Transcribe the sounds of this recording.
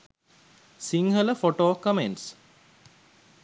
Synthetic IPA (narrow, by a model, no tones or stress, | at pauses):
siŋɦələfoʈoːkəmeɳʈs